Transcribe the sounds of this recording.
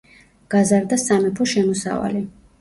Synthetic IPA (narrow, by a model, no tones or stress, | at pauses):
ɡ̥azaɾd̪asamɛpʰɔʃɛmɔsa̰va̰li